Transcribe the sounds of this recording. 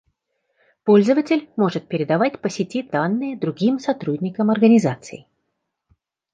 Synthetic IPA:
po̞lʲzəvətʲɪlʲmo̞ʐɨt̪̚pʲɪɾʲɪd̪ɐvatʲpəsʲɪtʲid̪anːɨjəd̪ɾʊɡʲimsɐt̪ɾudʲnʲɪkəmɐrɡənʲɪzat̪sɨ̰ɪ

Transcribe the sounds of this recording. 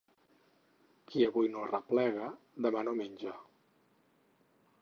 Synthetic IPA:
kʰiəβujnorəplɛɣə | ðəmanomenʲd͡ʒa

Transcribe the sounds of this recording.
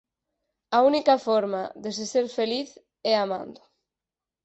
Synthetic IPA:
aunikafɔɾma̰ðeseseɾfeliθ | ɛamã̰nd̪ʊ

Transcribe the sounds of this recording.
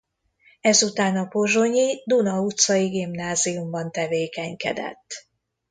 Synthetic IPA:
ɛzut̪aːnɒpo̞ʒo̞ɲid̪unɒut̪sɒjiɡimnaːzijumbɒnt̪ɛveːkɛɲkɛ̰d̪ɛ̰t̪ː

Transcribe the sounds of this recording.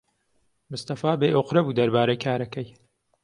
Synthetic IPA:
mʊst̪ɐfaːbeʔoqɾɐbuːd̪ɐɾbaːɾɐjkʰaːɾɐkɐj

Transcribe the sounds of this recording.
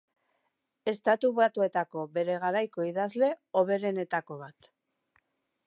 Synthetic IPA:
e̞st̪at̪uβat̪ue̞t̪ako̞βe̞ɾe̞ɣaɾajko̞iðazle̞o̞βe̞ɾe̞ne̞t̪ako̞β̞at̪

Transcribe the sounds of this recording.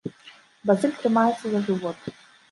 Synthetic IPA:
bazɨlʲt̪rɨmajɛt̪sːɐzɐʐɨvɔt̪

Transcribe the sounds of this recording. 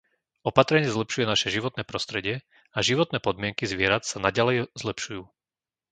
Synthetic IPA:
ɔpat̪ɾɛɲɪɛzlɛpʃujɛnaʃɛʒiʋɔt̪nɛːpɾɔst̪ɾɛɟɪɛ | aʒiʋɔt̪nɛːpɔd̪mɪɛŋkizʋɪɛɾat̪sanaɟalɛjzlɛpʃujuː

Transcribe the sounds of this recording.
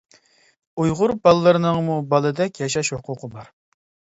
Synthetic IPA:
ujʁʊɾbɑlˠːɨɾɨnɨŋmubɑlˠɨd̪ɛkʲjɑʃɑʃhʊqʰʊqʰəbɑɾ

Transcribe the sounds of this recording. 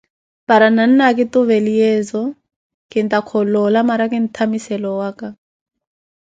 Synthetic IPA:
paɾanan̩nakʼɪtʊβɛlijɛːzɔ | kʼɪn̩tʼakʰɔlɔlamaɾakɪn̩tʰamisɛlɔwaːka

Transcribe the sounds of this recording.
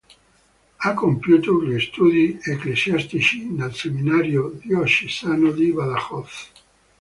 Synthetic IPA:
akːompjuːt̪oʎist̪uːd̪ieklesjast̪it͡ʃinelseminaːɾjod̪iɔʃisaːnod̪ibaðaxɔθ

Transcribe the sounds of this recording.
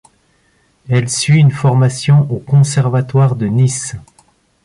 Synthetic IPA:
ɛlsɥiynfɔʁmasjɔ̃ʔokɔ̃sɛʁvat̪waʁd̪ənis

